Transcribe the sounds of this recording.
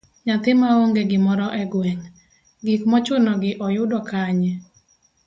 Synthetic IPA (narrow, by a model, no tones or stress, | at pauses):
ɲat̪ɪmaoŋɡeɡɪmɔɾɔʔɛɡwɛɲ | ɡikmɔt͡ʃʊnɔɡɪʔɔjʊdɔkaɲɛ